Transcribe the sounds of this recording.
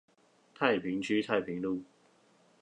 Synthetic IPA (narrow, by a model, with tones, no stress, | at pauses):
t̪ʰa˥˩ɪpʰi˨˥ŋt͡ɕʰy˥t̪ʰa˥˩ɪpʰi˨˥˦ŋlu˥˩